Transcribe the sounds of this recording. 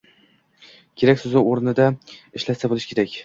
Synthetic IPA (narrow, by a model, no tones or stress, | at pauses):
kʲʰe̞ɾakʲsʊzaoɾnɪd̪aɪʃlat̪sabolˠɪʃkʲʰe̞ɾakʲ